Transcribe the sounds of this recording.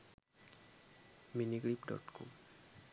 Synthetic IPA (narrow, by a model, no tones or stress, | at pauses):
miniɡlipɖɔ̰ʈkɔ̰m